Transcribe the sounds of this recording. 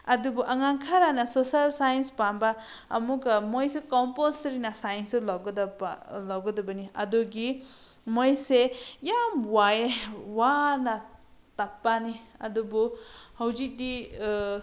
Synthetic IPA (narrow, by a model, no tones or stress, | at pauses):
ɐdubuʔɐŋaŋkʰaɾanɐsosalsajnspambɐɐ̰muɡɐmojsekɔmpolsɾinɐsajnsulawɡɐdɐlawɡɐdɐbɐniɐdoɡi | mojsejamwajewanɐtapːaniɐ̰dubuhɐwzik̚di